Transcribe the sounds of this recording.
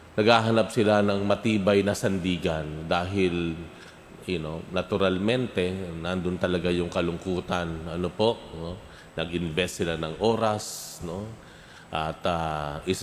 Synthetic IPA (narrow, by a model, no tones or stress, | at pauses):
nɐɡhaːɦɐnap̚sɪlanɐŋmɐt̪iːbajnɐsɐnd̪iːɡand̪aːɦɪl | jʊno̞nɐt̪ʊɾalmɛnt̪ɛnand̪ʊnt̪ɐlɐɡajʊŋkɐlʊŋkuːt̪anɐnopo̞ʔno | nɐɡʔɪnvɛst̪sɪlanɐŋʔo̞ːɾasno̞ | ʔɐt̪aʔɪs